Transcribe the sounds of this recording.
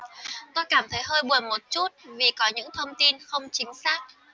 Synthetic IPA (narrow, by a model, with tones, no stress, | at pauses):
t̪ɔ˨˧kaː˧˩mt̪ʰə˨˦jɦəː˧jɓu˨˩ənmo˨˩t̚t͡ɕu˦˥t̚vi˨˩kɔ˨˦ɲɨ̰˧˥ŋt̪ʰə˧wŋ͡mt̪i˧nxə˧wŋ͡mt͡ɕï˨˦ŋ̟saː˦˥k̚